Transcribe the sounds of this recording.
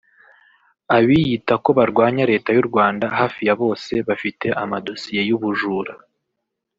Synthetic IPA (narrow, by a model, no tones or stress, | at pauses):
aβijitako̞βaɾɡwaːɲaɾe̞ːtajuɾɡwaːndaɦaːfijaβo̞ːse̞βafite̞ʔamado̞sije̞juβuʒuːɾa